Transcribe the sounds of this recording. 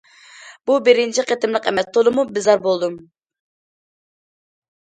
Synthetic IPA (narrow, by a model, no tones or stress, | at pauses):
b̥ubɪɾɪnt͡ʃʰiqet̪ɪmlˠəqɛmɛst̪ʰolˠɨmubɪzɑɾbolˠd̪um